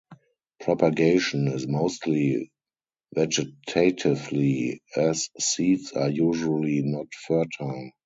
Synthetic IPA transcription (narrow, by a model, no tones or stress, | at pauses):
pʰɹɔpaɡeɪʃɔ̃nɪzmoʊstli | vɛd͡ʒɪtʰatʰɪvliɛsːiːtsajuːʒuəlinɔtfɜ˞tʰəl